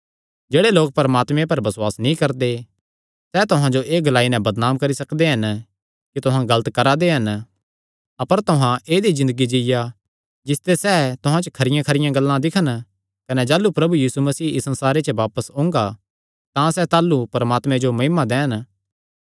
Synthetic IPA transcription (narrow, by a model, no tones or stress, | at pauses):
d͡ʒeːɽeloːk̚pɐɾəmaːt̪mẽpɐɾbɐswaːsnĩkɐɾd̪e | sɛt̪ʊɦãd͡ʒoʔeːɡɐlaːinɛ̃bɐd̪naːmkɐɾisɐkd̪eɦɐn | kit̪ʊɦãɡɐlət̪kɐɾad̪eɦɐn | ɐpəɾt̪ʊɦãeːd̪izɪ̃nd̪əɡid͡ʒɪja | d͡ʒɪst̪esɛːt̪ʊɦãt͡ʃəkʰɐɾɪjãkʰɐɾɪjãɡɐlːãd̪ɪkʰən | kɐned͡ʒaːlːupɾɐbujiːsumɐsiːʔɪsɐ̃nsaːɾet͡ʃəʋaːpəsʊ̃ːŋ̆ɡa | t̪ãsɛt̪aːlːupɐɾəmaːt̪mẽd͡ʒomɐɦɪmad̪ɛːən